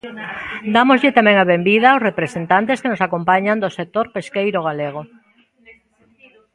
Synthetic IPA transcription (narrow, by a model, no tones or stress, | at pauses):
d̪amozʎɪt̪amɛ̃ŋaβembiðaowsrepɾesent̪ant̪̬eskenosakompaɲand̪osek̚t̪oɾpeskejɾoɣ̞aleɣ̞o